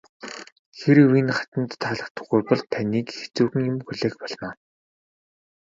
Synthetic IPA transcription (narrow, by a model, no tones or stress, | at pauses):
xeɾwinχḁt̪ə̆nt̪ʰːaːɮə̆χt̪ə̥̆χʊrpɞ̆ɮt̪ʰaniːkxet͡suːxɘ̆ŋjʊmxɵɮeːxpɔɮmaː